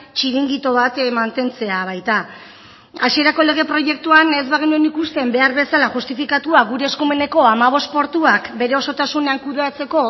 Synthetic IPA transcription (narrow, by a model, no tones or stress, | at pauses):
t͡ʃiɾiŋɡit̪o̞βat̪mant̪e̞nt͡se̞aβ̞ajt̪a | asie̞ɾakole̞ɣ̞e̞pɾo̞je̞k̚t̪uane̞zβaɣ̞inue̞nikust̪e̞mbe̞aɾβe̞salaʝust̪ifikat̪uaɣuɾe̞ːskume̞ne̞ko̞amaβ̞o̞st̪̚po̞ɾt̪uakbe̞ɾe̞o̞so̞t̪asune̞aŋkuðe̞at͡se̞ko̞